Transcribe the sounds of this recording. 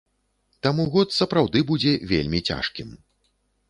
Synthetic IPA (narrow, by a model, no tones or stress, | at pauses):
t̪amuɣɔt̪sɐpɾawd̪ɨbud͡zʲɛvʲḛlʲmʲit͡sʲa̰ʂkʲim